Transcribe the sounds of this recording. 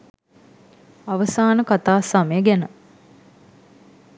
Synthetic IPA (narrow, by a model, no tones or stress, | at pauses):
aʋəsaːnəkat̪aːsaməjəɡænə